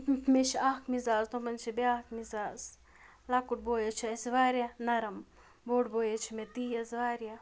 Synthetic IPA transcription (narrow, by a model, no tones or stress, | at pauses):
meʃaːkmizaːzt̪omɐnt͡ʃʰibeaːkmizaːz | lakuʈ̚boːjet͡ʃʰiɐsiʋaːɾjɐnɐɾɐm | boːʈboːjet͡ʃʰimet̪iːjɐzʋaːɾja